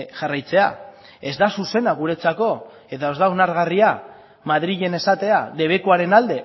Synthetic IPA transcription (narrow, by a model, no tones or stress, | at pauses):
ʝarajt͡se̞a̰ | e̞zd̪asuse̞naɣ̞uɾe̞t͡sako̞ | e̞t̪ao̞zd̪aonaɾɣaria | maðɾiʝe̞ne̞sat̪e̞aðe̞β̞e̞kuaɾe̞nald̪e̞